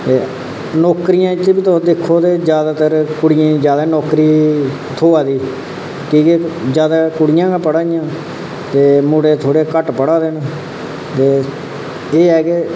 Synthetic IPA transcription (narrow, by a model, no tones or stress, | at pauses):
t̪eː | nɔːkɾɪjãːt͡ʃbit̪od̪ɪkʰːoːt̪eːd͡ʒjaːd̪aːt̪əɾkʊɽɪjẽːd͡ʒjaːd̪aːnɔːkɾiː | t̪ʰoːaːd̪iː | kiːked͡ʒjaːd̪aːkʊɽɪjãːkapəɽaːijãː | t̪eːmʊɽeːt̪ʰoːɽeːkəʈpəɽaːd̪eːn | t̪eː | eːɛːkeː